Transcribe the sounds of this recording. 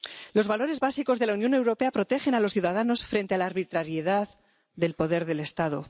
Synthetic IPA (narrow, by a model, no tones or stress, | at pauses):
lo̞zβalo̞ɾe̞zβasiko̞zðe̞launjo̞ne̞wɾo̞pe̞apɾo̞t̪e̞xe̞nalo̞sθjuðaðano̞sfɾe̞nt̪ealaːɾβit̪ɾaɾjeðað | ðe̞lpo̞ðe̞ɾðe̞le̞st̪aðo